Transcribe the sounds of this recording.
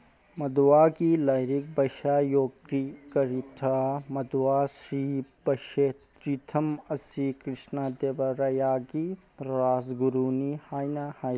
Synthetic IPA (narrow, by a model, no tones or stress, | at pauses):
mɐd̪waːɡilɐjɾik̚bɐʃaːjoːɡɾikɐɾit̪ʰamɐd̪waːsɾiːbɐʃe | ɾit̪ʰɐmɐsikɾiʃnaːd̪eːʋɐɾɐjaːɡi | ɾaːzɡuɾuːnihaːjnaːhaː